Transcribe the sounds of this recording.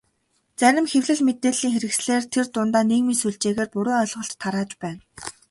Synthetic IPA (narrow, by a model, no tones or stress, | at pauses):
t͡sæɾʲɪ̆mxewɮɘ̆ɮmet̪eːɮiːŋxeɾɘ̆ksɮeːrt̪ʰert̪ʊnt̪aːneːɣmiːnsuɮt͡ɕeːɣeːrpʊɾoːœɮʁɞ̆ɬtʰːaɾaːt͡ɕpæːn